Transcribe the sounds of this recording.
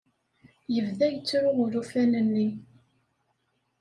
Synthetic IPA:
jəvðæjət͡sːɾʊʁʊɾufænənːi

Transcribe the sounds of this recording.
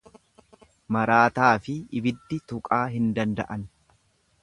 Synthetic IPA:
mɐɾaːt̪aːfɪɪbɪd̪ːɪt̪ʊkʼaːɦɪnd̪ɐnd̪ɐ̰ʔɐn

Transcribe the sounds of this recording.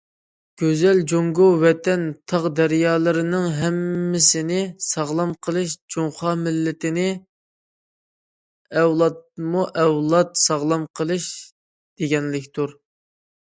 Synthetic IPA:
ɡ̥ʲøzɛld͡ʒoŋɡuwɛt̪ɛnt̪ʰɑʁd̪æɾjɑːlˠɨɾɪnɪŋɦɛmːɪsɪnɪsɑʁlˠɑmqʰəlˠɨʃd͡ʒoŋχɑmɪlːɪt̪ɪnɪ | ɛwlˠɑt̪̚muʔɛwlˠɑt̪sɑʁlˠɑmqʰəlˠɨʃ | d̪̥eɡʲɛnlɪkʲt̪ʰuɾ

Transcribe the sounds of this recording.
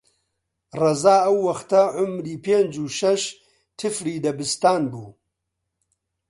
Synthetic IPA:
rɐzaːɐwːɐxt̪ɐʕʊmɾiːpeːnd͡ʒuːʃɐʃ | t̪ʰɨfɾiːd̪ɐbɨst̪aːnbṵː

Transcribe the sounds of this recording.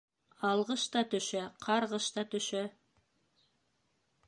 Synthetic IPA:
ɑlˠʁɤʃt̪ɑt̪ɵ̆ʃæqʰɑɾʁɤʃt̪ɑt̪ɵ̆ʃæ

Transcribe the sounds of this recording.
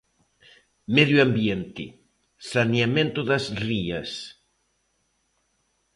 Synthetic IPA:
meðjuambjent̪ɪ | saneamẽnt̪oðazriɐs

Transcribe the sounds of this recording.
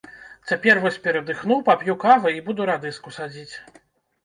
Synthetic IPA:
t͡sʲapʲɛrvɔsʲpʲɛɾɐd̪ɨxnuwpapʲjukavɨibud̪uɾad̪ɨskusad͡zʲit͡sʲ

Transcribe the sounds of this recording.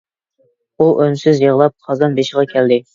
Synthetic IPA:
uʔønsɪzjeʁlˠɑp̚χʰɑzɑnbeʃʁɑkʲʰɛld̪ɪ

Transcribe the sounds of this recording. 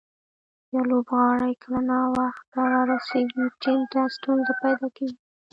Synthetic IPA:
jalobɣɑɽəjkəlanawaxt̪̚ːaɾɑɾaseɡiʈint̪ast̪unzapajd̪ɑkawi

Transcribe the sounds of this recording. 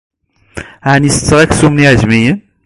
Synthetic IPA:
ʕnisə̥t͡sːəʁæksumniʕəʒmijən

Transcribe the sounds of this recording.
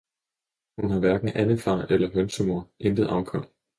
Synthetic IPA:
hunɦɑ̈ʋæɐɡ̥n̩ʔænəfɑ̰̈ːʔelɐɦønsəmo̝ɐ̰ʔend̥ð̩ˠʔɑ̈ʊkʰɒ̽m̰

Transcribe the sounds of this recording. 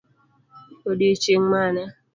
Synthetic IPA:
odit͡ʃiŋmana

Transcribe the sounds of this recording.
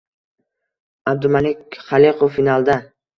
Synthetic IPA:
ab̚d̪ʊmalɪkʲχaliqʰʊfːinalˠd̪a

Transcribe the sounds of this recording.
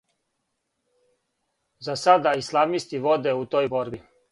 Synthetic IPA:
zasad̪aislˠaʋnist̪iʋod̪eut̪o̞ːjbo̞ɾbi

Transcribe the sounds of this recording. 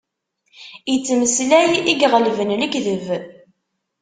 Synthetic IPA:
jət͡sːməslæjiɡʁəlvənləɡðəv

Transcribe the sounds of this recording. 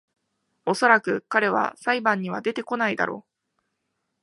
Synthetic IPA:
o̞so̞ɾakɯ̟kaɾe̞β̞a̰saibãɲ̟ːiβ̞ad̪e̞t̪e̞ko̞naid̪a̰ɾʔo̞̰ː

